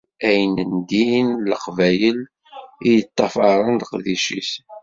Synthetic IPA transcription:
æjnənd̪inləqvæjəl | ijjət̪ˤːɑfɑɾˤənd̪əqðiʃis

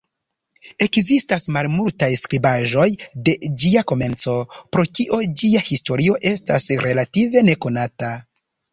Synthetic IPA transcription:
e̞kzistasmalmultajskɾibaʒo̞jde̞d͡ʒiako̞me̞nt͡so̞pɾo̞kiʔo̞d͡ʒiahisto̞ɾio̞ʔe̞stasɾe̞lative̞ne̞ko̞nata

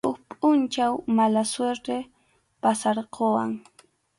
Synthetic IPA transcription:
ʊkpʼʊnt͡ʃawmalasweɾt̪e | pasɑɾqowa̰ŋ

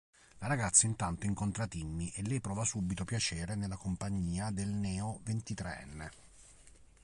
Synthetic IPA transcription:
laɾaɡat̪sːaint̪ant̪oiŋkont̪ɾat̪imːiʔelːɛjpɾɔːvasubit̪opjat͡ʃɛːɾenelːakompaɲːiːad̪elnɛːovent̪it̪ɾeɛ̰nːe

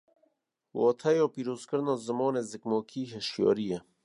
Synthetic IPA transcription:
wɔːt̪ʰɐjoːpiːɾoːzkəɾnoːzəmɔːneːzɨkmoːkʰiːɦeʃjo̰ːɾije

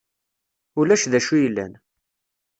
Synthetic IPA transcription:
ʊlæʃðæʃujəlːæ̰n

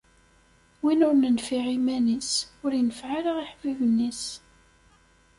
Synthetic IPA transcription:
winʊɾnənfiʁimænisʊɾjənəfʕaləʁiħvivənːis

